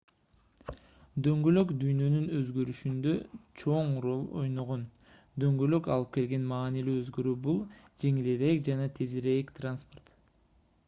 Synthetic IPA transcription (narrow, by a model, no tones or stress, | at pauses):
d̪ø̞ŋɡølø̞kd̪yjnønynøzɡøɾyʃynd̪ø̞t͡ʃʰo̞ɴro̞lˠo̞̰jno̞ʁo̞n | d̪ø̞ŋɡølø̞kɑlˠɯp̚ke̞lɡe̞nmɑːnilyːøzɡø̞ɾybulˠ | d͡ʒe̞ŋileɾek̚d͡ʒɑnɑt̪ʰe̞zeɾekt̪ranspo̞rt̪